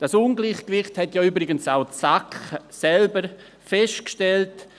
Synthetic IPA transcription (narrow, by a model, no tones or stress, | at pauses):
d̥asunɡliːχkvɪχthɛtjɔːyːbɾɪɡənsaʊsaksɛlbəɾ | fɛst̚kʃtɛlt